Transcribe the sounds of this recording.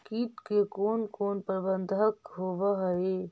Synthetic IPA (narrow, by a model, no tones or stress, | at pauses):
kiːt̪kekoːnkoːnpəɾbə̃nd̪ʱəkɦoːʋaɦɐe